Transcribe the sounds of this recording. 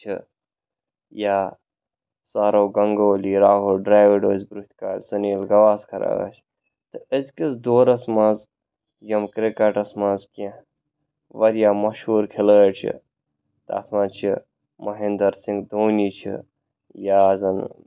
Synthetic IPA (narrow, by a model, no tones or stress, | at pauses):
t͡ʃʰḭ | jaː | saːɾowɡɐŋɡoːliːɾaːɦulɖɾaːʋiɖoːzbɾut̪ʰʲkaːlʲsuniːlɡɐʋaːskʰɐɾa̰ːɐ̰ːsʲ | t̪ɨəzkisd̪oːɾɐsmaz | jɐmkɾekɐʈɐsmazkẽ | ʋɐɾjaːmɐʃhuːɾkʰeləːʈt͡ʃʰḭ | t̪a̰sʰmãt͡ʃʰḭ | mɐɦind̪ɐɾsiŋɡd̪oːniːt͡ʃʰḭ | jaːzɐn